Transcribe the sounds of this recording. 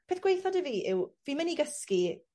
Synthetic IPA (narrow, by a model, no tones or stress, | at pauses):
pʰeːθɡ̥wejθɔdəviːʔɪwviːməniɡəski